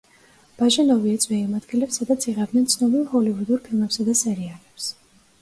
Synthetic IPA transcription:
b̥aʒɛnɔviɛt̪sʰʼvɛimad̪ɡilɛpsːad̪at̪sʰiʁɛbd̪nɛnt̪sʰnɔbilˠhɔlivud̪uɾpʰilˠmɛpsad̪asɛɾialɛps

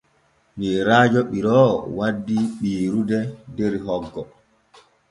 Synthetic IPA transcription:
miɾaːd͡ʒɔɓiɾɔːwadːiɓiːɾudɛdeɾiɦɔɡːɔ

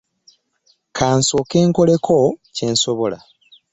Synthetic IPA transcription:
kʰaːnso̞ke̞ːŋko̞le̞kʰoce̞ːnso̞βo̞la̰

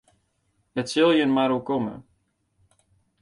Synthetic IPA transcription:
ɦətsʏlˠjəənmaɾokɔmə̰

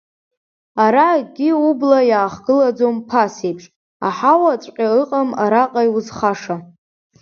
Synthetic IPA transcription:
aɾaɡʲɪublajaːχɡɨlad͡zompʰasejpʰʂʼ | a̰ħawat͡sʷʼqʲʼaɨqʼamaɾaqʼajwuzχaʂa

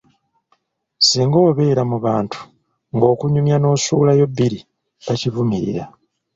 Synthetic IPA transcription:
siːŋɡoːβe̞ːɾamuβaːntʰu̥ | ŋɡo̞ːkuɲumjano̞ːsuːlajo̞bːiɾi | βaciβumiɾḭɾa

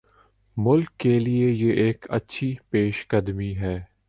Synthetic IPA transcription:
mʊlkːeliejeʔeːkɐ̰tːʃʰipeːʃkɐd̪miɦɛː

